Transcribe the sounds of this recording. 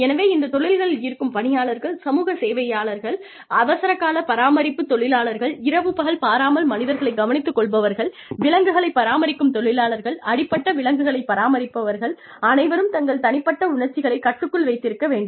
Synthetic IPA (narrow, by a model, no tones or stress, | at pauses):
ɛnɐʋeːɪnd̪ɐt̪ɔɭɪlɣɐɭɪlɪːɾkɯmpɐɳɪjaːɭɐɾɣɐɭsɐmuːɣɐseːʋɐjaːɭɐɾɣɐɭ | ɐʋɐsɐɾɐkːaːlɐpɐɾaːmɐɾɪpːɯt̪ːɔɭɪlaːɭɐɾɣɐɭɪɾɐʋɯpɐɣɐɭpaːɾaːmɐlmɐnɪðɐɾɣɐɭɐɪɡɐʋɐnɪt̪ːɯkːɔɭbɐʋɐɾɣɐɭ | ʋɪɭɐŋɡɯɣɐɭɐɪpːɐɾaːmɐɾɪkːɯmt̪ɔɭɪlaːɭɐɾɣɐɭɐɽɪpːɐʈːɐʋɪɭɐŋɡɯɣɐɭɐɪpːɐɾaːmɐɾɪpːɐʋɐɾɣɐɭ | ɐnɐɪʋɐɾɯmt̪ɐŋɡɐɭt̪ɐnɪpːɐʈːɐʊɳɐɾt͡ʃːɪɣɐɭɐɪkːɐʈːɯkːɯɭʋɐɪt̪ːɪɾɯkːɐʋeːɳɖɯm